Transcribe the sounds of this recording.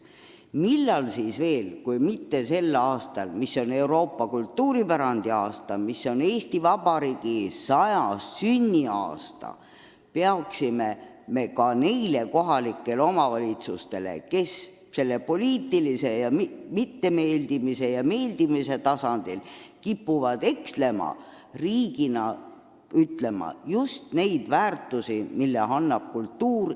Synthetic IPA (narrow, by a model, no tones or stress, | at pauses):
milːɑlsiːsve̞ːlkujmit̪ːe̞se̞lːɑːst̪ɑlmisːo̞ne̞uwɾo̞ːpːɑkult̪ːuːɾipæɾɑnd̪̥iɑːst̪ɑmiso̞neːst̪ivɑb̥ɑɾiːɡ̥isɑjɑsːynʲːiɑ̰ːst̪ɑ̰ | peɑksime̞ | me̞kɑne̞jle̞ko̞ɦɑlikːˑe̞lo̞mɑvɑlʲit̪sust̪e̞le̞̰ke̞s | se̞lːe̞po̞lʲiːt̪ːilise̞jɑmimit̪ːe̞me̞ːld̪imise̞jɑme̞ːld̪̥imise̞t̪ɑsɑnd̪̥ilkipːuvɑd̪̥e̞ksle̞mɑ̰ | riːɡinɑ | yt̪le̞mɑ̰just̪ne̞jd̪̥væːrt̪ːˑusimilːḛɑnːɑb̥̚kult̪ːuːr